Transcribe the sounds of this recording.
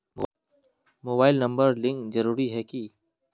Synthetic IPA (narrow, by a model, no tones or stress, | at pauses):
moːbaːɪlnɐ̃mbəɾlɪ̃ŋkzɐɾuːɾiɦɛki